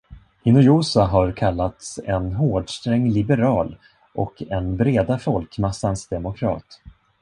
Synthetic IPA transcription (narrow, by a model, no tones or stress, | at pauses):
hɪnʊjuːsaɦaɾkʰalːat̪sɛnɦoːɖʂt̪ɾɛŋːlɪbɛɾɑːl | ʔɔ̰kʰɛnbɾeːd̪afɔlkmasːansd̪ɛmʊkʰɾɑ̰ːt̪